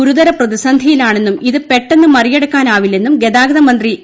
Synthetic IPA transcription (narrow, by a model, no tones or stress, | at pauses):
uɾuðɐɾɐprɐðisɐnd̪ʱijilaːɳe̞nːumiðɨpe̞ʈːe̞nːɨmɐrije̞ɽukːaːnaːʋilːe̞nːumɡe̞ðaːɡɐðɐmɐnd̪ri